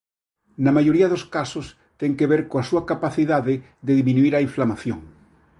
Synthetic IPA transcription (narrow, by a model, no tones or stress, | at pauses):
nɐmajoɾiɐðoskasos | t̪eŋkeβeɾkoasuɐkapaθiðaðe | d̪eðimĩnuiɾaiɱflamaθjo̰ŋ